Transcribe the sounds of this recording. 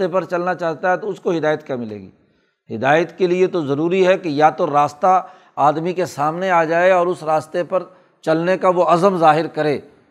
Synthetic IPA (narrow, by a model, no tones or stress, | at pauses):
epɐɾt͡ʃɐlnat͡ʃaːɦt̪aɦɛt̪oʊskoɦɪd̪aːjət̪kɐmɪlḛːɡḭː | ɦɪd̪aːjət̪keliet̪ozɐɾuːɾiɦɛkejat̪oɾaːst̪a | aːd̪mikesaːmneaːd͡ʒaːeɔːɾʊsɾaːst̪epɐɾ | t͡ʃɐlnekaʋoɐzəmzaːɦɪɾkɐɾẽː